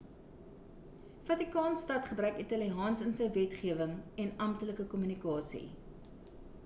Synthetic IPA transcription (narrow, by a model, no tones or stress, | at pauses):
fɐtikɑːnstɐtχəbɾœɥkitɐliɦɑːnsənsəjvɛtχiəvəŋɛnɐmtələkəkɔmynikɑːsḭ